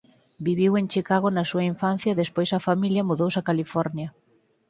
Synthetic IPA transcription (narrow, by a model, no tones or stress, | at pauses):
biβiwent͡ʃikaɣonɐsuɐiɱfanθjɐðespojsɐfamiljɐmuðowsɐkalifɔɾnjɐ